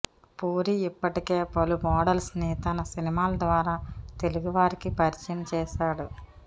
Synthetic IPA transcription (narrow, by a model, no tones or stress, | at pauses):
poːɾiipːɐʈikeːpɐlumɔːɽɐlsnit̪ɐnɐsinimaːlɐd̪ʋaːɾaːt̪e̞luɡuʋaːɾikipɐɾit͡ʃinɐt͡ʃɛːʃaːɽu